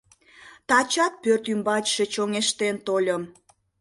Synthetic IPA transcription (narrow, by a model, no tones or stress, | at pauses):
t̪ɑt͡ɕɑt̪̚pørt̪ymbɑt͡ɕʃet͡ɕoŋeʃt̪ent̪olʲəm